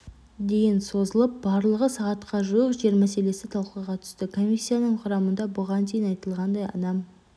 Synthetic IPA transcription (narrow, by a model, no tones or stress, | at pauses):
d̪e̞jɪnso̞zəlˠəp̚bɑɾlˠəʁəsɑʁɑt̪qɑʒuəpʒe̞ɾmæse̞le̞sɪt̪ʰɑlˠqəʁɑt̪ʰʏ̥st̪ɪkʰo̞mʲisʲːijanəɴqʰʊɾɑmənd̪ɑbʊʁɑnt̪ʰe̞jɪnɑjt̪əlˠʁɑnd̪ɑjɑ̰nɑm